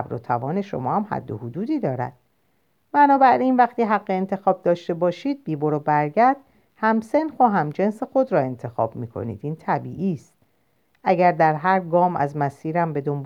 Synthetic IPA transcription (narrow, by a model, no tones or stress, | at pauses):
bɾo̰t̪ʰævɒːne̞ʃo̞̰mɒːhæmhæ̰d̪ːo̰hod̪uːd̪iːd̪ɒːɾæ̰d̪̥ | mænɒːbæɾʔinvæxt̪iːɦæɢːeːnt̪ʰe̞xɒːb̚d̪ɒːʃt̪e̞bɒːʃiːd̪̚biːboɾobæɾɟæɾd̪̥ | hæmse̞nxoɦæmd͡ʒe̞nse̞xo̞d̪ɾɒːe̞nt̪ʰe̞xɒ̰b̥miːkʰo̞̰nḭːd̪iːnt̪ʰæbiːʔiːst̪̚ | æɟæɾd̪æɾɦæɾɡɒːmæ̰zmæsiːɾæmbe̞d̪o̞mb